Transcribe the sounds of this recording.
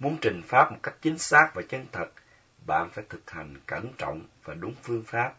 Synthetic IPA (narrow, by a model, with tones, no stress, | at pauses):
mu˨˧ənt͡ɕï˨˩ŋ̟faː˦˥p̚mo˨˩t̚ka˦˥jk̟̚t͡ɕï˨˦ŋ̟saː˦˥k̚vaː˨˩t͡ɕə˧nt̪ʰə˨˩t̚ | ɓa̰ː˧˨nfaː˧˩jt̪ʰɨ˨˩k̚ha˨˩jŋ̟kə˧˩nt͡ɕɔ̰˧˨wŋ͡mvaː˨˩ɗʊ˨˦ŋ͡mfɨ˧əŋfaː˦˥p̚